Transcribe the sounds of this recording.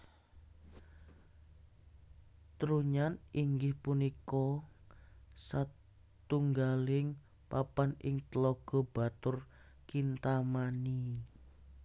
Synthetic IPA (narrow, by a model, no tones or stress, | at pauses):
t̪ɾuɲanʔiŋɡɪhpunikɔ | sa | t̪uŋɡalɪŋ | papanɪ̰ŋt̪əlɔɡ̥ɔ̤b̥a̤t̪ʊr | kint̪amani